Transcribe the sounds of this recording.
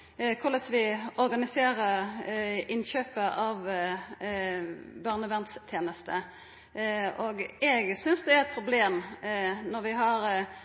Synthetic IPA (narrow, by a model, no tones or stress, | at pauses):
kʰʊʁləsʋɪɔɾɡɑnɪseːʁə | ɪnçøːpəʔɑʋ | bɑʁnəʋɛnt̪st̪ʰjeːnəst̪ə | ʔoɡɛɡsʏnsd̪ɛæɾɛt̪̚pʰɾʊbleːm | nɔɾʋɪɦɑɾ